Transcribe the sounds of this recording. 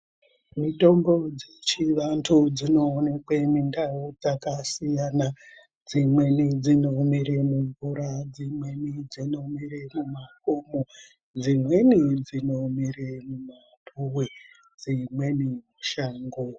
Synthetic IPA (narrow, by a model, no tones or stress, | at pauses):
mito̞mbo̞d͡zet͡ʃiʋantʰud͡zino̞ːnekwemindaud͡zakasijana | d͡zimwe̞nid͡zino̞miɾemuɱvuɾad͡zimwe̞nid͡zino̞miɾemumakomo | d͡zimwe̞nid͡zinomiremuma | tʰuwe | d͡zimwe̞nimuʃaːŋɡo